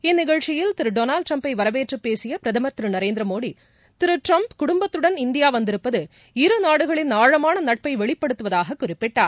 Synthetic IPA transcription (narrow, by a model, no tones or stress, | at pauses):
ɛnːɪɣɐɻt͡ʃːɪjɪlt̪ɪɾɯɖoːnaːlʈɾɐmpɐɪʋɐɾɐʋeːʈrɯpːeːsɪjɐpɪɾɐðɐmɐt̪ɪɾɯnɐɾeːnd̪ɾɐmoːɽi | t̪ɪɾɯʈɾɐmpkʊɽʊmbɐt̪ːɯɽɐnɪnd̪ɪjaːʋɐnd̪ɪɾɯpːɐðɯ | ɪɾɯnaːɽɯɣɐɭɪnaːɻɐmaːnɐnɐʈ̚pɐɪʋɛɭɪpːɐɽɯt̪ːɯʋɐðaːɣɐkːʊrɪpːɪʈːaːɾ